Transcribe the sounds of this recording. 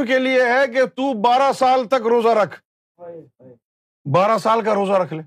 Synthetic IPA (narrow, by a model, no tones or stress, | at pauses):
kelieɦɛk̬et̪uːbaːɾasaːlt̪ɐkɾoːzaɾɐkʰ | baːɾasaːlkaɾoːzaɾɐkʰleː